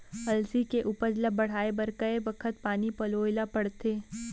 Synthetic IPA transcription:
ɐlsikeʔʊpəd͡ʒləbɐɽ̤aːebɐɾkɐebɐkʰət̪paːnipɐloːɪlapɐɽt̪eː

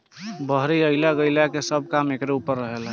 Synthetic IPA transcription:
bəɦɾiəɪlaɡəɪlakesəb̚ʱkamekɾeupəɾːəɦelɛ

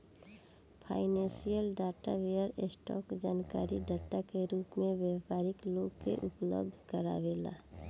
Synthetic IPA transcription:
pʰaːɪnɛ̃nsijəlɖaːʈaʋejəɾesʈɔ̰ːkd͡ʒaːnkaːɾiɖaːʈakeɾuːpmẽʋeːpaːɾɪkloːɡkḛʔʊplə̰b̚d̪ʱkəɾa̰ʋeːla̰ː

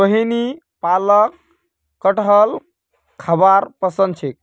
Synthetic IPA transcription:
əɦini | palək̚ː | əʈəl | kʰəbaɾpəsə̃nd̪t͡ʃʰek̚

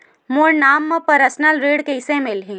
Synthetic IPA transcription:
moːɾnaːmːɐ̃pɐɾəsnəlɾeːɽkeɪsemɪlɦĩː

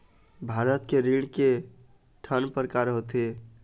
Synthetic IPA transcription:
bʱaɾət̪keɾiɽke | ʈʰənpəɾkaɾɦot̪e

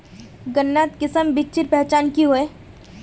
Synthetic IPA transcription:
ɡənːaːt̪kɪsəmbɪkt͡ʃɪɾpɛɦt͡ʃaːnkiɦoeː

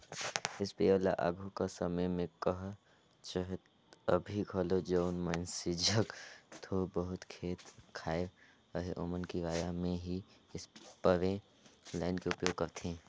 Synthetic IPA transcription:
ɪspeːoːla̰ʔa̰ːɡʱukasəməjmẽkəɦ | t͡ʃəɦt̪ | əbʱikʰɐlod͡ʒoːnmə̃nsɪd͡ʒʱəkt̪ʰobəɦʊt̪kʰeːt̪kʰaːe | əɦeʔoːmənkiʋaːjamẽɦi | ɪspəʋẽ | laːɪnkeʊpjoːɡ̚kəɾt̪eɦɛ̃ː

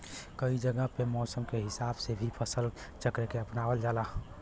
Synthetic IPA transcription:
kəid͡ʒəɡəɦpemɔsəmkeɦɪsabsebʱipʰəsəlt͡ʃəkɾekeəpnaʋəld͡ʒala

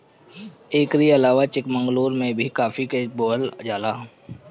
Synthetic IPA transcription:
eːkɾiəlaːʋat͡ʃɪkmə̃ŋɡloːɾmẽbʱikaːfʰikeboːld͡ʒaːlaː

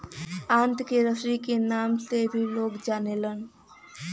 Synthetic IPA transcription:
ãnt̪keɾəsɾikenamsebʱilokd͡ʒanelən

